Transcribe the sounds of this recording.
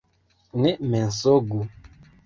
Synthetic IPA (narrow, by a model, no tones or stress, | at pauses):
nɛmɛn̩soɡu